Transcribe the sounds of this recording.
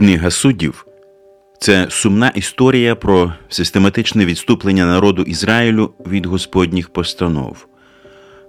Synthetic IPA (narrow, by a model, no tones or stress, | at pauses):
nɪɦɐsudʲḭw | t̪sɛsʊmnɑʔist̪ɔɾʲijɐpɾɔsɪst̪e̞mɐt̪ɪt͡ʃnɛʋʲidt̪st̪uplˠenʲːɐnɐɾɔd̪ʊʔizɾɑjilʲʊʋʲid̪ɦɔspɔdʲnʲixpɔst̪ɐnɔ̰w